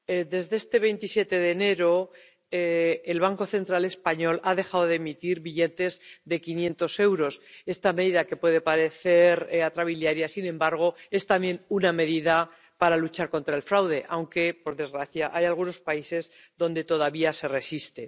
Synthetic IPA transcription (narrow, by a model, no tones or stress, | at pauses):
ed̪e̞zðest̪e̞β̞e̞jnt̪isje̞t̪e̞ðe̞ne̞ɾo | eelβ̞aŋko̞θe̞nt̪ɾale̞spaɲo̞laðe̞xaðoðemit̪iɾβiʎe̞t̪e̞zðe̞kinjẽ̞nt̪o̞se̞wɾo̞se̞st̪ame̞ðiðake̞pwe̞ð̞e̞paɾe̞θe̞ɾat̪ɾaβiljaɾjasinẽ̞mbaɾɣ̞o̞e̞st̪amje̞nuname̞ðiða | paɾalut͡ʃaɾko̞nt̪ɾaelfɾawðe̞ʔawŋke̞po̞ɾðe̞zɣɾaθjaʔajalɣuno̞spaise̞z | ðo̞nd̪e̞t̪o̞ðaβiase̞re̞sist̪e̞